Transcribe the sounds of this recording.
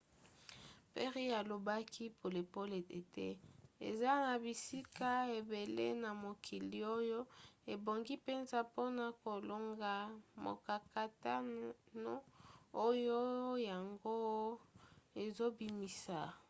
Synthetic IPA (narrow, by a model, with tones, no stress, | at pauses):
pe˦ʁi˦a˨lo˨ba˦kʰi˦pʰo˨le˨po˦le˨e˨tɛ˦ḛ˨za˦na˨bi˨si˦ka˦e˨be˨lḛ˦na˨mo˨kʰi˨li˨o˦jo˦e˨bo˨ŋɡi˦pe˦nza˨po˦na˨ko˨lo˦ŋɡa˨mo̰˨ka˨ka˨ta˦no˦o˦jo˦ja˨ŋɡo˦ | e˨zo˦bi˨mi˨sa˨